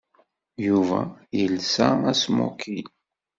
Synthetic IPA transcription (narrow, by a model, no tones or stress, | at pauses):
juvæjəlsææsmo̰kʰil